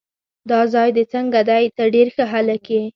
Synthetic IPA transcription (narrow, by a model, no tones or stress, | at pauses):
d̪ɑzɑjd̪ət͡səŋɡad̪ajt̪əɾɖeɾxəɦalake